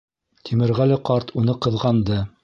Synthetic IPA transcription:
t̪ʰimɘ̆ɾʁælæqɑɾt̪ʰunɤqɤ̆ðʁɑnd̪ɤ

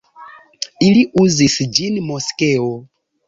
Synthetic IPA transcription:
iliʔuzisid͡ʒinimɔskɛɔ

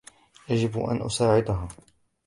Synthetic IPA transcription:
jad͡ʒɪbʔa̰nʔʊ̰saːʕɪd̪aɦaː

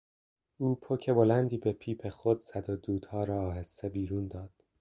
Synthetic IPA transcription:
ʔuːpʰocʰe̞bo̞lænd̪iːbe̞pʰiːpʰe̞xod̪zæd̪od̪uːd̪̥hɒːɾɒːɦesːe̞biːɾuːnd̪ɒːd̪̥

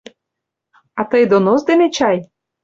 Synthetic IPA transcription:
ɑt̪əjd̪onozd̪enet͡ɕɑj

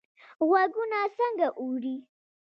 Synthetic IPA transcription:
waɡʊnaːsɐŋɡaʔuːɽi

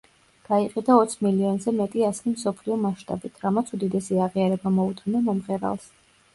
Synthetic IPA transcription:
ɡ̥aiqʼid̪aɔt̪sʰmiliɔnzɛmɛt̪ʼiaslimsɔpʰliɔmaʃt̪ʼa̰bit̪ʰɾamat̪sʰud̪id̪ɛsiaʁiaɾɛbamɔut̪ʼanɛmɔmʁɛɾa̰lˠs

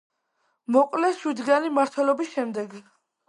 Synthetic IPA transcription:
mɔqʼlɛʃwid̪ɡanimaɾt̪ʰwɛlɔbisʃɛmd̪ɛɡ

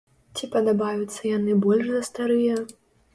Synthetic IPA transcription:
t͡sʲipɐd̪abajut̪sːɐjanɨbɔlʲʐzɐst̪aɾɨjɐ

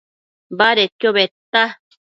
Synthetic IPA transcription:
baɾet̪joβet̪ːa

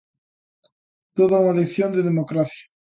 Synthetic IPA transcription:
t̪oðaunalekθjo̞nd̪eðemokɾaθjḁ

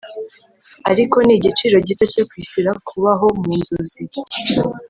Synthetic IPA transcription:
aɾiko̞niːɟit͡ʃiɾo̞ɟitocokwiːʃuɾakʰuβaɦo̞muːnzozi

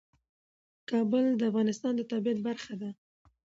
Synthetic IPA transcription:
kɑbəld̪əafɣɑnɪst̪ɑnd̪ət̪ɑbijat̪̚baɾxad̪a

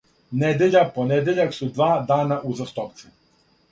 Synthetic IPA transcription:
ned̪eʎaponed̪eʎaksud̪ʋaːd̪aːnaʔuzast̪opt̪si

